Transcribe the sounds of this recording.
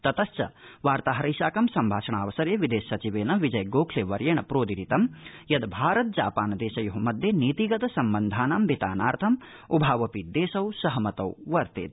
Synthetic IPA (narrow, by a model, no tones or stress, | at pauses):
t̪ɐt̪ɐst͡ʃɐʋaːɾt̪aːɦɐɾɐjʃaːkɐmsɐmbʱaːʃɐɳaːʋɐsɐɾjɐʋid̪eːsːɐt͡ʃiʋeːnɐʋid͡ʒɐjɡoːkʰleːʋɐɾjɐːɳɐpɾoːd̪iɾit̪ɐmjɐd̪bʱaːɾɐt̪̚d͡ʒaːpaːnɐd̪eːʃɐjɐɦɐmɐd̪ʱjɐniːt̪iɡɐt̪ɐsɐmbɐnd̪ʱaːnaːmbʱit̪a̰ːnaːɾt̪ʰɐm | ubʱaːʋɐpid̪eːsɐwsɐɦɐmɐt̪ɐwʋɐɾt̪ḛːt̪̚